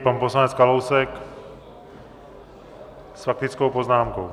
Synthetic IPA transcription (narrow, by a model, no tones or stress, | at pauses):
panposlanɛt͡skalowsɛk | sfak̚t̪ɪt͡skowpoznaːmko̰w